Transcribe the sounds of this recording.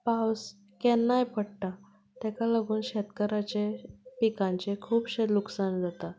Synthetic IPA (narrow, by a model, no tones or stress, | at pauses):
paws | kɛnːajpəɽʈa | t̪ɛkaləɡuːnɕet̪kəɾat͡ɕepikãɲt͡ɕekʰuːpɕed̪luksand͡zat̪a